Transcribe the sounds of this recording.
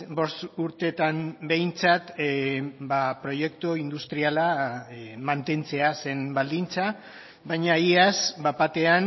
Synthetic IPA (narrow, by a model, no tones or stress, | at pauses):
bo̞suɾt̪e̞t̪ambe̞jnt͡sat̪ | bapɾo̞jekt̪oind̪ust̪ɾiala | mant̪e̞nt͡se̞ase̞nbald̪int͡sa | baɲaiasbapat̪e̞an